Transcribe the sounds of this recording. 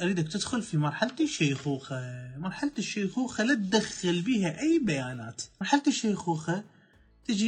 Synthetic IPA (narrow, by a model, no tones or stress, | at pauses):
ʔaɾiːd̪akt̪ɪd̪xʊlfimɑɾˤħalt̪ɪʃajxuːxamɑɾˤħalt̪ɪʃːaːxuːxalat̪̚d̪axːɪlbiːɦaʔajːbajaːna̰ːt̪mɑɾˤħalt̪ɪʃːaːxuːxa | t̪ɪd͡ʒi